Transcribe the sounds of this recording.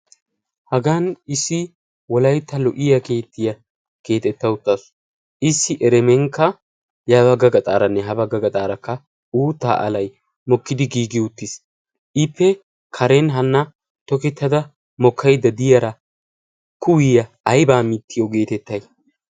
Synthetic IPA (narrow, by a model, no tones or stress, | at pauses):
hɐɡanɪsːɪ | wɔlɐjt̪ːɐlɔʔɪjɐke̞ːt̪ːɪjɐ | ke̞ːt̪ɛt̪ːɐʊt̪ːɐs | ʔɪsːɪʔɛɾɛmɛŋkːɐ | jɐbɐɡɐɡɐt̪ʼaːɾɐnːɛɦɐbɐɡɐɡɐt̪ʼaːɾɐkːɐ | uːt̪ːa̰ːʔɐ̰lɐj | mɔkːɪd̪ɪɡiːɡɪʊt̪ːɪs | ʔɪpʰːɛ | kʰɐɾenɦɐnːɐ | t̪ɔkɛt̪ːɐd̪ɐ | mɔkʰːɐjd̪ɐd̪ɪjɐɾɐ | kʊwɪjɐ | ɐjbaːmit̪ːɪjɔɡe̞ːt̪ɛt̪ːɐj